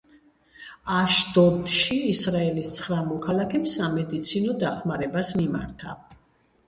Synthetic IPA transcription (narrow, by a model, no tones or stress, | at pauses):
aʃd̪ɔd̪ʃiːsɾaɛlist̪sʰχɾamɔkʰalˠakʰɛmsamɛd̪it̪sʰinɔd̪aχmaɾɛbasmima̰ɾt̪ʰa